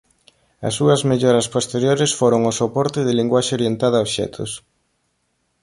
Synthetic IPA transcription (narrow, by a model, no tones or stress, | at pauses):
ɐ̰sːuɐzmeʎɔɾɐspost̪eɾjoɾɪsfoɾoŋʊsopɔɾt̪ɪðɪliŋɡwaʃeoɾjent̪að̞ɐaoʃɛ̰t̪ʰʊ̰s